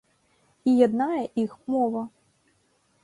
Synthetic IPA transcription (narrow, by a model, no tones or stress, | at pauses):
ijad̪najɛʔixmɔvɐ